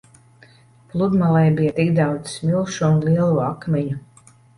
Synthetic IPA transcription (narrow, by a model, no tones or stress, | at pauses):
plˠud̪malˠɛjbijat̪ikd̪awd̪zsmilˠʃuunlˠiɛlˠuakmʲɛɲu